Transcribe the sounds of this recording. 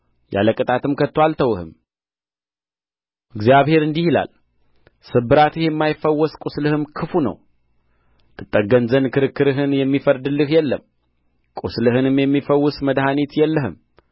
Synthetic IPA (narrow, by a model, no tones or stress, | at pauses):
ja̰ləkʼɨt̪ʼat̪ɨmkʰət̪ːwalt̪ʰəwɨhɨ̰m | ʔɨɡzjaβhe̞ɾɨnd̪ihila̰l | sɨbɨɾat̪ɨhjɛmːajɪfːəwːɔskʼuslɨhɨmkʰɨfunə̰w | t̪ʰɨt̪ʼːəɡːənzənkʰɨɾɨkːɨɾɨɦɨnjɛmːifəɾd̪ɨlːɨhjɛlːə̰m | kʼuslɨhɨnɨmjɛmːifəwːʊsməd̪ɦanit̪jɛlːəɦɨm